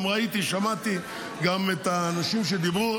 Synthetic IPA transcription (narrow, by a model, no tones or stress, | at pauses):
mʁait̪iʃamat̪i | ɡamet̪anaʃimʃed̪ibʁu